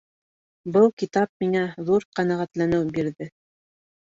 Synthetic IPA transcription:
bɤlˠkit̪ɑp̚miŋæðuɾqænæʁæt̪lænɘwbiɾðɘ

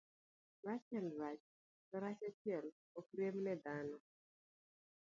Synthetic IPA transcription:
rat͡ʃɛlrat͡ʃ | ɔɾat͡ʃat͡ʃjɛl | ɔkɾemnɛd̪anɔ

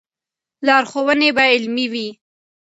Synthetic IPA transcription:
lɑɾxowənebaɪlmiwi

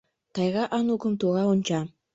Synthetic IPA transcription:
t̪ɑjɣɑʔɑnukə̆mt̪uʁɑunʲt͡ɕɑ

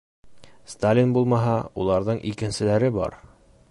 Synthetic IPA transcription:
st̪alʲinbulˠmɑɦɑulˠɑɾðɤɴʔikɘ̆nsɘ̆læɾɘbɒ̰ɾ

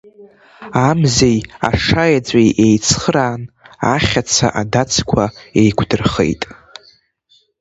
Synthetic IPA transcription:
amzeja̰ʂajad͡zʷʼajʔejt͡sʰχəɾaːnaχʲat͡sʰa̰ʔadat͡sʰkʷʰaejkʷʰdɨrχḛjtʼ

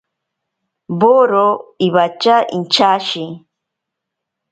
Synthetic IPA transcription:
boɾoiβat͡ʃaʔḭnt͡ʃaʃi

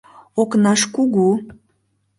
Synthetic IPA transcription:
oknɑʃkuɣu

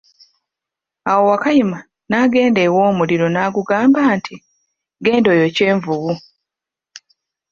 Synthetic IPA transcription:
awo̞wakajima | naɡe̞ːnde̞ːwo̞ːmuliɾo̞naːɡuɡaːmbaːntʰi | ɡe̞ːndo̞ːjo̞ce̞ːɱvuβu

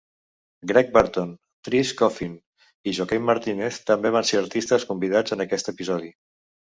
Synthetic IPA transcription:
ɡɾɛk̚bəɾt̪on | t̪ɾiskɔfin | iʒɔkɛmːaɾt̪ineθt̪əmbeβ̞anseəɾt̪ist̪əskumbiðad͡zənəkɛst̪əpizɔði

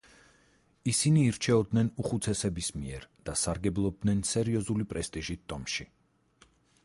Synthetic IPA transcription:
isiniːɾt͡ʃʰɛɔd̪nɛnuχut̪sʰɛsɛbismiɛɾd̪̥asaɾɡɛblˠɔb̚d̪nɛnsɛɾiɔzulipʼɾɛst̪ʼiʒit̪ʰt̪ʼːɔmʃi

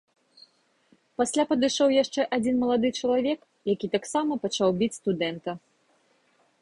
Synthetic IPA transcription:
pasʲlʲapɐd̪ɨʂɔwjaʂt͡ʂɛʔad͡zʲinmɐlˠad̪ɨt͡ʂɐlˠavʲɛk | jakʲit̪aksamɐpat͡ʂawbʲit͡sʲst̪ud̪ɛnt̪ɐ

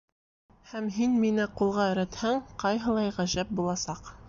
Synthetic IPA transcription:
hæmɦinminɘqulˠʁɑɘ̆ɾæt̪hæŋqɑjɦɤ̆lˠɑjʁæʒæp̚bulˠɑsɑq

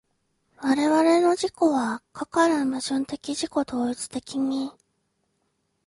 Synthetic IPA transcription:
βaɾe̞βaɾe̞no̞ʑiko̞βakʰakaɾãmaʑɨ̃nt̪e̞kʲiʑiko̞t̪o̞ːit͡sɨ̥t̪e̞kʲiɲ̟i

